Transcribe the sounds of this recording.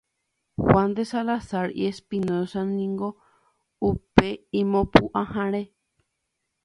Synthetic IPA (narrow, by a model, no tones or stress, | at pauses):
hwãnd̪esalasaɾḭespinoosãnĩŋɡo | upeĩmõpuʔãhãɾ̃ẽ